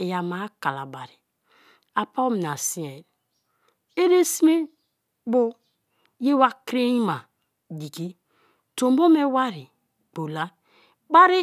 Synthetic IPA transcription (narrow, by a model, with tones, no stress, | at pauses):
e˨ja˨ma˨˦ka˨la˨ba˨ɾi˨ | a˨pa˦m˨na˨si˦e˨l | e˦ɾe˦si˦me˦ | bo˦ | je˦wa˦kɾe˦i˦ma˨ | di˨ki˦ | to˨mbo˦me˦wa˦ɾi˨ | k͡po˨la˦ | ba˦ɾi˦